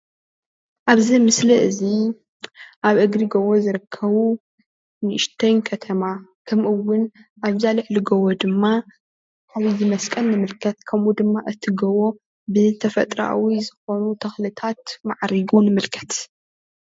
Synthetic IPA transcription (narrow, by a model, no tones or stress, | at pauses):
ʔaβzimɨsliʔɨzi | ʔaβʔɨɡɾiɡɐwozɨɾɨkʰːɐβu | nɨʃt̪ʰɐnkʰɐt̪ʰɐmakʰɐmʔɨwːʊnʔaβzalɨħlɨɡɐwod̪ɨmːa | ʔaβizɨmɐskʼɐnːɨmɨlkʰɐt̪̚kʰɐmʔud̪ɨmːaʔɨt̪ʰːiɡɐwo̞ | bɨt̪ʰɐfɐt̪ʼɾa̰wizɨxo̞nut̪ʰɐxlɨt̪ʰat̪maʕɾiɡunɨmɨlkʰɐ̥t̪